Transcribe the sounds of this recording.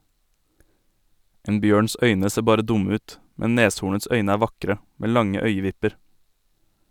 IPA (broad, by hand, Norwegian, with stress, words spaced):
ˈeːn ˈbjøːɳs ˈœʏnə ˈseː ˈbɑːɾə ˈdʊmə ˈʉːt ˈmɛ ˈneːshuːɳəts ˈœʏnə ˈæː ˈʋɑkɾə ˈmeː ˈlɑŋə ˈœʏəˌʋɪpəɾ